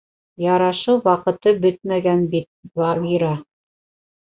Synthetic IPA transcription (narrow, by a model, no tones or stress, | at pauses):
jɑɾɑʃɤwwɑqɤ̆t̪ɤbɵt̪̚mæɡænbit̪̚vɑʁiɾɑ